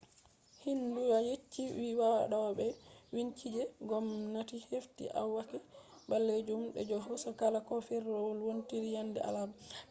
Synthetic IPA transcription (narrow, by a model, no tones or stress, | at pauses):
hinduwajet͡ʃːiwiwawa̰ɗɔbɛwiɲt͡ʃid͡ʒɛɡɔmnatiheftḭʔa̰wːakibalːed͡ʒumɗɛ̰d͡ʒɔɦɔsɔkalakɔfɛɾːɔwlwontiɾijandɛ̰ʔa̰lab